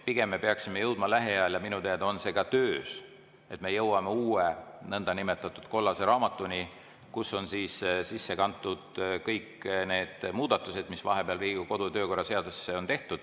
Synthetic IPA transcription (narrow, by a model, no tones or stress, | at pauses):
piɡ̥e̞mːe̞peɑksimejɤwd̪̥̚mɑlæɦeɑljɑminut̪eɑd̪ɑo̞nse̞ːɡ̥ɑt̪øːs | e̞t̪me̞jɤwɑmeuːenɤnd̪̥ɑnime̞t̪ːˑɑt̪ːˑud̪̥ko̞lːɑse̞ɾɑːmɑt̪ːˑunʲi | kusːo̞nsiːssisːe̞kɑnt̪ːˑud̪̥kɤjkne̞ːd̪̥muːd̪̥ɑt̪ːˑuse̞d̪̥misvɑ̰ɦe̞peɑlriːɡuko̞d̪ut̪ø̞ːko̞rːɑse̞ɑd̪ussːeo̞nt̪e̞ht̪ud̪̥